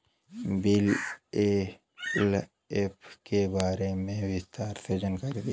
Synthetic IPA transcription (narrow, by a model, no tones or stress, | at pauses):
bɪle | l | epʰkebaːɾemẽʋɪst̪aːɾsed͡ʒənkɐɾid̪i